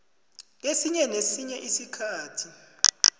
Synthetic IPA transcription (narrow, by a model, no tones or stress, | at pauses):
lesiɲɛnesiɲɛʔisikʰaːtʰi